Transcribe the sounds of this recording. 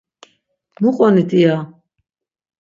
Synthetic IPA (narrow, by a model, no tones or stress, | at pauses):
muqʼɔnit̪ʰʼia